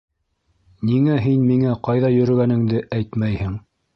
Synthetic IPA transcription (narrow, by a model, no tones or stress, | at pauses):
niŋæɦinmiŋæqɑjðɑjɵ̆ɾɘ̆ɡænɘ̆ŋd̪ɘʔæjt̪mæjhɘŋ